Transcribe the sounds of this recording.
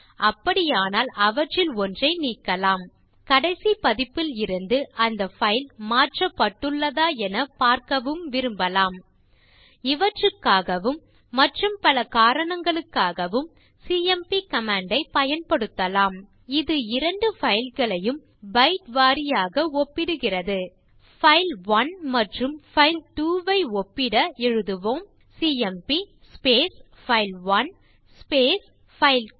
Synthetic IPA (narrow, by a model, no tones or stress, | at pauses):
ɐpːɐɽɪjaːnaːlɐʋɐʈrɪlɔndrɐɪniːkːɐlaːm | kɐɽɐɪsipɐðɪpːɪlɪɾɯnd̪ɯʔɐnd̪ɐfɐɪlmaːʈrɐpːɐʈːɯɭːɐðaːɛnɐpaːɾkɐʋɯmʋɪɾɯmbɐlaːm | ɪʋɐʈrɯkːaːɣɐʋɯmː | ɐʈrɯmpɐlɐkaːɾɐɳɐŋɡɐɭɯkːaːɣɐʋɯm | siːɛmpikɐmaːɳɖɐɪpɐjɐnpɐɽɯt̪ːɐlaːm | ɪðɯɪɾɐɳɖɯfɐɪlɣɐɭɐjɯm | bɐɪʈʋaːɾɪjaːɣɐɔpːɪɽɯɣɪrɐðɯ | fɐɪlʋɐnmɐʈrɯmfɐɪlʈuːʋɐɪɔpːɪɽɐɛɻɯðɯʋoːm | siːɛmpi | speːs | fɐɪlʋɐn | speːs | fɐɪl